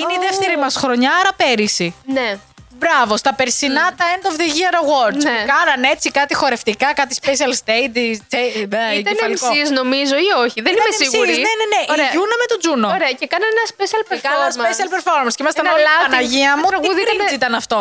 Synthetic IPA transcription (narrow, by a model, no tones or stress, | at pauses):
ineiðefθeɾimɐsxɾoɲɐɐɾɐpeɾisine | bɾɐvo̞st̪ɐpe̞ɾsinɐt̪ɐend̪ovðiʝiɐɾɐɣwoɾt͡ʃekɐnɐne̞t͡sikɐt̪ixo̞ɾe̞ft̪ikɐkɐt̪ispesiɐlst̪ejd̪it͡seɐnɐlioizno̞mizoioçiðenimesiɣsuɾzineneneʔiɾeɐunɐmet̪od͡zunooɾeɐcekɐnɐnenɐspesiɐlpeɐɐspesiɐlpeɾfo̞ɾmɐnscimɐst̪ɐnlɐɐnɐʝiɐmuɐk̪uðɾizit̪ɐnɐft̪o̞